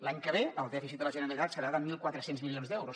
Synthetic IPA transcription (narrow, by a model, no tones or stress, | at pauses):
laɲkəβ̞eəlˠd̪ɛfisit̪̚ələʒənəɾəlˠit̪at̪səɾaðəmilˠkwat̪ɾəsenzmilionzd̪ɛwɾus